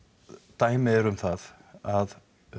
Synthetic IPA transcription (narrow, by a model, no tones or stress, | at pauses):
t̪aːjmɪɛɾʏmθaðað